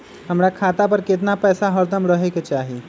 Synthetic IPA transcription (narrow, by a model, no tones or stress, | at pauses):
ɦəmɾakʰaːt̪apəɾket̪̬napɛːsaɦəɾd̪əmɾəɦeket͡ʃaːɦi